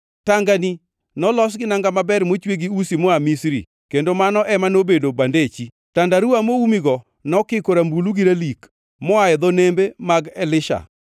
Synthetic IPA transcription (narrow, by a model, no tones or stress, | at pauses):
taŋɡani | nɔlɔs̬ɡɪnaŋɡamabɛrmot͡ʃweɡiusimɔamisɾḭ | kendomanɔʔɛmanobedobandet͡ʃi | tandaɾuamoumiɡɔ | nɔkɪkoɾambuluɡiɾalik | mɔaɛd̪ɔnembemaɡɛlɪʃa̰